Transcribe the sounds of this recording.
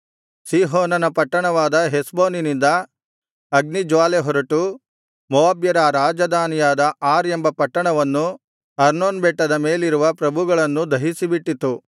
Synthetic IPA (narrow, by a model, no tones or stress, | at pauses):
siːɦɔːnɐnɐpɐʈːɐɳɐʋaːd̪ɐɦesboːninind̪ɐ | ɐɡnid͡ʒʋaːleɦɔɾɐʈu | mɔʋaːbjɐɾaɾaːd͡ʒɐd̪aːnijaːd̪ɐʔaːɾembɐpɐʈːɐɳɐʋɐnːu | ɐɾnoːnbeʈːɐd̪ɐme̞ːliɾuʋɐpɾɐbʱuɡɐɭɐnːud̪ʱɐɦisibiʈːit̪ːu